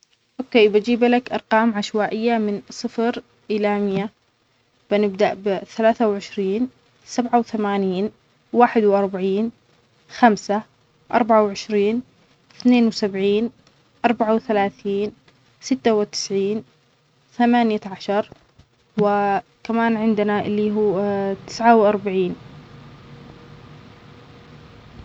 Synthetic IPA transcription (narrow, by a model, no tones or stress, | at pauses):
ʔokeːjbad͡ʒiːblakʔɑɾˤqɑːmʕaʃwaːʔɪjːamɪnsˤɨfɾ | ʔɪlamɪjːa | b̥ɪnɪbd̪aʔbɪθalaːθawʕɪʃɾiːn | sabʕawθamaːniːn | waːħɪd̪wʔɑɾˤbaʕiːn | xamsa | ʔɑ̰ɾˤbaʕawʕɪʃɾiːn | θneːnwɪsabʕiːn | ʔɑɾˤbaʕawθalaːθiːn | sɪt̪ːawɪt̪ɪ̥sʕiːn | θamaːnjaʕaʃɑɾˤ | wɪ | kamaːnʕɪnd̪ɪnaʔɪlːiɦuːt̪ɪ̥sʕawʔɑɾˤbaʕiːn